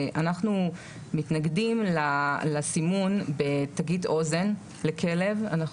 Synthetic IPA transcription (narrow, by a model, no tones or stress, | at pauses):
ʔanaχnu | mitnaɡdimlalasimunbe̞taɡito̞ze̞n | lekʰe̞le̞va̰naχ